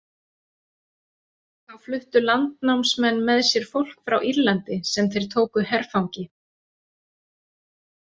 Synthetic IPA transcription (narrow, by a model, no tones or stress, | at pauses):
θawflʏht̪ʏlant̪nawmsmɛnːmɛðsjɛɾ̥fowl̥kfɾawʔiɾlant̪ɪsɛmθejɾ̥t̪ʰoːwkʏɦɛɾ̥fawɲcɪ